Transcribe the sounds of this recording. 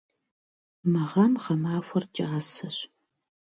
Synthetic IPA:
mɐʁɐmʁɐmaːfʷɐrt͡ʃʼɪʁɐsɐɕ

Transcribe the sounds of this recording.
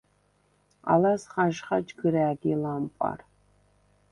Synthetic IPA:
a̰lasχaʒχad͡ʒɡɨɾaːɡʲilampʼa̰r

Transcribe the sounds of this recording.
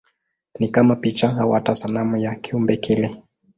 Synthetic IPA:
nikamapit͡ʃaɦawatasalamujakiumbɛkʰɛlɛ

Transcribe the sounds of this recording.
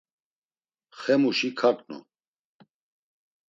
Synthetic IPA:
χɛmuʃikʰakʼnṵ

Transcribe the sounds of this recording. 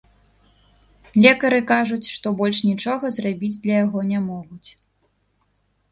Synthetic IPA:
lʲɛkɐɾɨkaʐut͡sʲʂt̪ɔbɔlʲʂnʲit͡ʂɔɣɐzrabʲid͡zʲd̪lʲɐjaɣɔnʲamɔɣut͡sʲ

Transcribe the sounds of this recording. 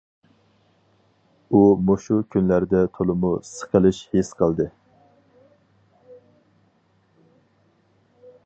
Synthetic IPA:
umoʃukʲʰynlæɾd̪ɛt̪ʰolˠɨmusə̥qʰəlˠɨʃhesqʰɑlˠd̪ɨ

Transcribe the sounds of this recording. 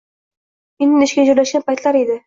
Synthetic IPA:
enɪnɪʃɡʲad͡ʒoɾlaʃɡʲanpʰajt̪laɾed̪ɪ

